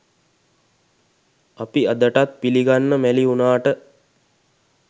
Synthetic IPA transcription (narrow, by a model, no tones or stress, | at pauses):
apiad̪əʈat̪̚piliɡanːəmæliunaːʈə